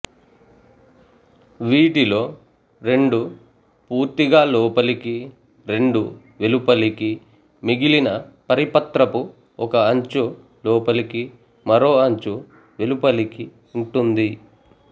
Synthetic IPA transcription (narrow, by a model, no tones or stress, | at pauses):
ʋiːʈilo̞ː | ɾe̞ɳɖu | puːɾt̪iɡaːlɔːpɐliki | ɾe̞ɳɖu | ʋelupɐliki | miɡilinɐpɐɾipɐt̪ɾɐpu | ɔkɐːɲt͡ʃu | lɔːpɐliki | mɐɾo̞ːɐɲt͡ʃu | ʋe̞lupɐliki | uɳʈund̪i